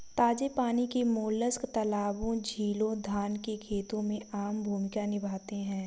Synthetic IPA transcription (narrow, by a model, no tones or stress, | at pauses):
t̪aːd͡ʒepaːnikemoːləskt̪ɐlaːbõd͡ʒʱiːlõd̪ʱaːnkekʰeːt̪õmẽaːmbʱuːmɪkanɪbʱaːt̪eɦɛ̃ː